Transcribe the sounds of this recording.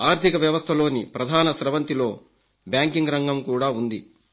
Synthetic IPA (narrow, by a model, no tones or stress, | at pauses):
aːɾt̪ʰikɐʋjɐʋɐst̪ʰɐlo̞ːnipɾɐd̪ʱaːnɐʃɾɐʋɐnt̪ilo̞ː | bjaːŋkiŋɡɾɐŋɡɐmkuːɽaːund̪i